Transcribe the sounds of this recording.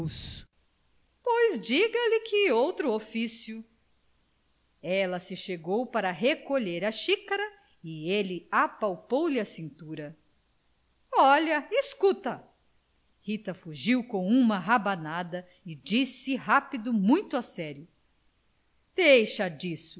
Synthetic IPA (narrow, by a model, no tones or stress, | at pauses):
s | pojzd͡ʒiɡɐlɪkʰɪowt̪ɾʊofisjʊ | ɛlɐsɪʃeɡowpaɾɐɦekoʎeɾɐʃikɐɾɐ | ɪelɪapawpowlɪɐsĩnt̪uɾɐ | ɔʎɐiskut̪ɐ | hit̪ɐfuʒiwkõw̃ũmɐɦabanad̪ɐ | ɪd͡ʒisɪɦapid̪ʊmũj̃t̪ʊasɛɾjʊ | d̪̥ejʃɐd͡ʒisʊ